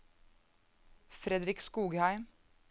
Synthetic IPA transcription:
fɾɛd̪ɾɪkskuːɡhæɪm

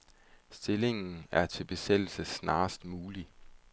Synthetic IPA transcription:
sd̥e̝le̝ŋn̩æɐt͡sʰe̝lb̥e̝sel̰l̩səsnɑ̈ːsd̥muːli

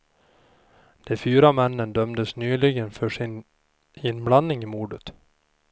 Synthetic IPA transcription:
d̪̥ɛfyːɾamɛnːənd̪œmd̪əsnyːlɪɡənfœʂɪn | ɪnːblanːɪŋɪmuːɖət̪

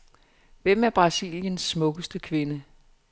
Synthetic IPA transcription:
ʋem̰æɐb̥ʁɑ̈sḭljənsːmɔ̽ɡ̥əsd̥əkʰʋe̝nə

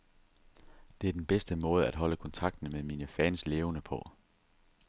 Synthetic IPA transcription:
d̥e̝æɐd̥enb̥esd̥əmɔ̽ːð̞̩ˠæd̥ɦɒ̽ləkʰɒ̽nt͡sʰɑ̈ɡ̥̚d̥n̩meðˠminəfɛnsle̝ːʊnəpʰɒ̽

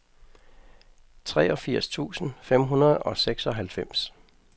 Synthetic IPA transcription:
t͡sʰʁɛ̰ːʔɒ̽fiɐ̰st͡sʰṵːsn̩fem̰ɦunɐð̞̩ˠɒ̽seɡ̥sɒ̽ɦælfem̰s

